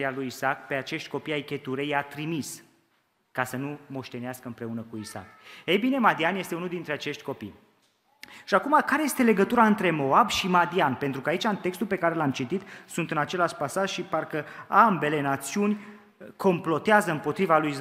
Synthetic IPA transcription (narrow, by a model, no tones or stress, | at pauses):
ialujisakpe̞at͡ʃe̞ʃt̪ʲko̞pijajkʲe̞t̪uɾejat̪ɾimis | kasənumo̞ʃt̪e̞neaskəɨmpɾe̞unəkuisa̰k̚ejbine̞mad̪ianje̞st̪e̞unuld̪int̪ɾe̞at͡ʃe̞ʃt̪ʲko̞pḭj | ʃiakumakaɾeje̞st̪e̞le̞ɡət̪uɾaɨnt̪ɾe̞mo̞abʃimad̪ianpent̪ɾukəait͡ʃaɨnt̪e̞kst̪ulpe̞kaɾelamt͡ʃit̪it̪sunt̪ɨnat͡ʃe̞laʃpasaʒʃiparkəambe̞le̞nat̪siunʲ | kʰo̞mplo̞t̪eazəɨmpo̞t̪ɾivalujis